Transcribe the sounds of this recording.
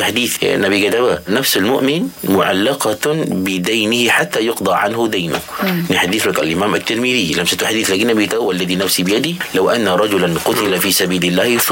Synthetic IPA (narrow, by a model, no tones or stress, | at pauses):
ħad̪iːθnʔabiɡad̪abanafsalmʊʔmɪnmʊʕa̰lːɑqɑbɪd̪ajnɪhiħat̪ːajʊqd̪ˤɑʕanɦʊd̪ajnʊ̰nɪħad̪ːiθlaka̰lʔɪmaːmat̪ːɪɾmiðilamsat̪uħad̪iːθlaɡiːnabit̪awːalːaðinafsibɪjad̪ilawʔanːaɾˤɑd͡ʒʊlanqʊt̪ɪlafiːsabiːlɪlːaːhs